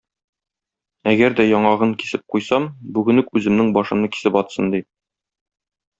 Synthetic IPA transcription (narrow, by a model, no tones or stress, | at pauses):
æɡæɾd̪æjɒɴɑʁɤŋki̥sɘp̚qujsɑmbʉɡɘ̆nɘkʉzɘ̆mnɘŋbɒʃɤ̆mnɤki̥sɘpɒt̪sɤnd̪i